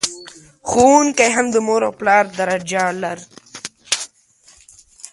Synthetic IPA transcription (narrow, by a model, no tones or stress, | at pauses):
xuːnkajɦɐmd̪əmoːɾawplaːɾd̪ɐɾad͡ʑaːlɐɾ